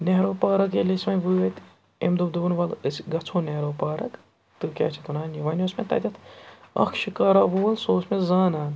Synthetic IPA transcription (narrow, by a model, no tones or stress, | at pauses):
neɦɾoːpaːɾɐk̬elismɐnʋɨːjɐt̪ʲ | ḛmd̪od̪uːnʋɐlɨsɡɐt͡sʰoːneɾoːpaːɾɐk | t̪ɨkʲa̰ːt͡ʃʰit̪unaːniʋɐːnʲoːsmet̪ɐ̰d̪ʲɐt̪ʰɐ̰kʰʃikaːɾaːʋuːɐlsoːsmẽzaːnaːn